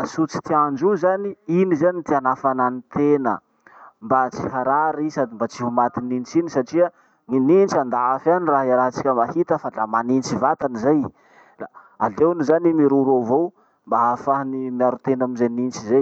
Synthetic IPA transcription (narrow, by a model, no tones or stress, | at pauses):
sut͡si̥t̪iand͡ʒuzaniinizanit̪ianafananit̪enə̰ | mbat͡si̥haɾaɾisad̪imbat͡siɦumat̪inint͡sinisaʈ͡ʂia | ŋinint͡ʃand̪aafaniraɦiaɾaɦt͡si̥kʲəmahit̪əfalamanint͡sivat̪anizaj | la | alewnuzanimiɾuɾovow | mbaafaɦnimiaɾut̪enamizenint͡ʃizej